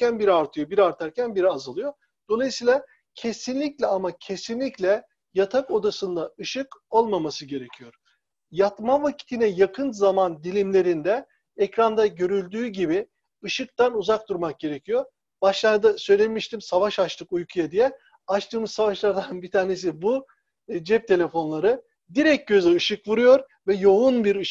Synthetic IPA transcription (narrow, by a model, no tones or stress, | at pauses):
ænbiɾiaɾt̪ʰɯjobiɾiaɾt̪ʰaɾcʰænbiɾiazɯlˠɯjo̞ | d̪̥o̞lˠajɯsijːlˠa | cʰe̞sinlʲiclʲɛamacʰe̞sinlʲiclʲɛ | jat̪ʰako̞d̪asɯnd̪aɯʃɯko̞lˠmamasɯɟe̞ɾe̞cʰijo̞ɾ̥ | jat̪mavacʰi̥t̪ʰinɛjakʰɯnzamand̪ilʲimlʲe̞ɾind̪ɛ | ɛcɾand̪aɟø̞ɾylʲd̪yːɟibi | ɯʃɯk̚t̪anuzak̚d̪uɾmak̚ɟe̞ɾe̞cʰijo̞ɾ | b̥aʃlˠaɾd̪asø̞jlʲemiʃt̪ʰimsavaʃat͡ʃt̪ʰɯkujkʰujad̪ijɛ | at͡ʃt̪ʰɯːmɯzsavaʃlˠaɾd̪anbit̪ʰaːne̞s̬ibu | d͡ʒɛp̚t̪ʰe̞lʲe̞fo̞nlˠaɾɯ | d̪iɾɛc̚ɟø̞zɛɯʃɯkvuɾujo̞ɾ | vɛjo̞unbiɾɯʃ